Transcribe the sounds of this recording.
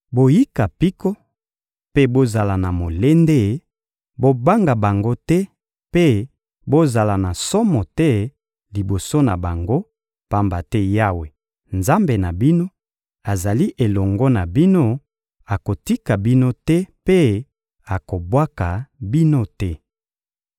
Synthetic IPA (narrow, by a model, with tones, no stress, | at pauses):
bo˨ji˦ka˨pi˦ko˦ | pe˦bo˦za˨la˨na˨mo˨le˦nde˦ | bo˦ba˦ŋɡa˨ba˨ŋɡo˦tɛ˦ | pe˦ | bo˦za˨la˨na˨sɔ˦mɔ˨tɛ˦ | li˨bo˨so˦na̰˨ba˨ŋɡo˦ | pa˦mba˨tɛ˦ja˦we˨ | nza˦mbe˨na˨bi˦no˦ | a˨za˨li˦ʔe˨lɔ˨ŋɡɔ˦na˨bi˦no˦ | a˨ko˨ti˦ka˨bi˦no˦tɛ˦pe˦ | a˨ko˨bwa˦ka˨bi˦no˦tɛ˦